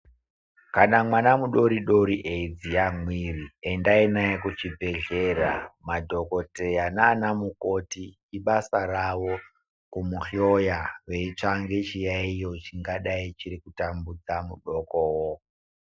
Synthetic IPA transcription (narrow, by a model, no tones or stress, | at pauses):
kanamwanamuɗo̞ɾiɗo̞ɾiʔeid͡zijamwiriendainajekut͡ʃibʱe̞ɮe̞ɾa̰madʱo̞ko̞te̞janaːnamuko̞tiː | ɓasaɾaʋo | kumuxiojaʋe̞it͡ʂaŋɡe̞t͡ʃijaijo̞t͡ʃiŋɡaɗait͡ʃiɾikutambud͡zamuɗokowo